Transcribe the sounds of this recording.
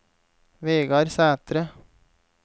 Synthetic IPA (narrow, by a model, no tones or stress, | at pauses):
ʋeːɡɑɾsæːt̪ɾə